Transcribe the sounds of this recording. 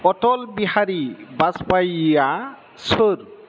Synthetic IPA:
ɔtɔlbiɦaɾibaspaja | soɾ

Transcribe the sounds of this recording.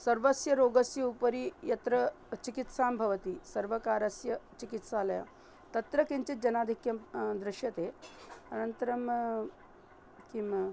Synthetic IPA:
sɐɾʋəsjɐɾoɡəsjɐupəɾiːjɐt̪ɾə | t͡ɕikit̪sambʱɐʋət̪iːsɐɾʋəkaːɾɐsjɐt͡ɕikit̪salja̰ | t̪ɐt̪ɾəkeɲt͡ɕit̪̚d͡ʑɐnad̪ʱikjɐd̪ɾiɕjɐt̪eɐnənt̪əɾɐm | kim

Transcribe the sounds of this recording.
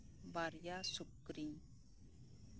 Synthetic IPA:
ʋaɾjasʊkɾĩː

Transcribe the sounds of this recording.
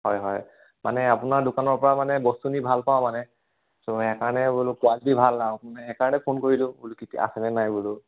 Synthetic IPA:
hɔjɦɔj | mʔa̰nɛapʊnaɹdʊkanɔɹpɔɹamanɛbɔstunibʱalpaʊmanɛ | soɛkaɹnɛbulʊkʊalitibʱalnaʊanɛɛkaɹɔnɛpʰonkoɹilʊ̃ulukitia̰sɛnɛnajbulʊ

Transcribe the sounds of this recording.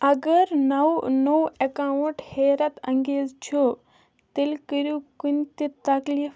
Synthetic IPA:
ɐɡɐɾnɐwnowɐkawuʈheːɾɐt̪ɐ̃ŋɡeːzt͡ʃʰu | t̪ilkiɾjukunt̪it̪ɐklif

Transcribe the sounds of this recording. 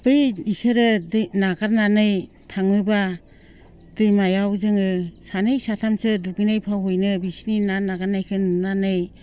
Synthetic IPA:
b̥ɯjnisɯɾɯdɯnaɡaɾnanɯj | tʰaŋɯba | d̥ɯjmajawzɯŋɯsanɯjsatʰamsɯduɡijnajpʰawɦojnɯbisininanaɡaɾnajkʰɯnnanɯj

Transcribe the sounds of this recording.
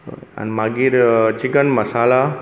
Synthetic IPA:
a̰nmaɡiːɾt͡ɕiɡənmɐsaːla

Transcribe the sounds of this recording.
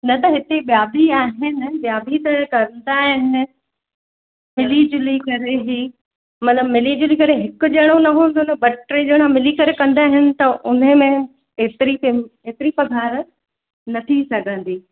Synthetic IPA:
nɐt̪ɐɦɪt̪eɓjaːbʱiaːɦɪnɪ̆ɓjaːbʱit̪ɐkɐɾə̃n̆d̪aːɦɪnɪ̆ | mɪlid͡ʑɪlikɐɾeɦi | mɐt̪ləbmɪliːd͡ʑɪlikɐɾeɦɪkʊ̆d͡ʑɐɽ̃õnɐɦũːnd̪onɐbɐʈɾid͡ʑɐɽ̃ãmɪlikɐɾekɐ̃nd̪aːɦɪnɪ̆t̪ɐʔʊn̤əmẽ | et̪ɪɾieːt̪ɪɾipɐɡʱaːɾ | nɐt̪ʰisɐɡʱə̃nd̪iː

